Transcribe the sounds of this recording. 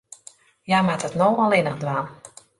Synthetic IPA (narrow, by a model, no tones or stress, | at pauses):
jamatətnowɔlɪnəxdʋaːn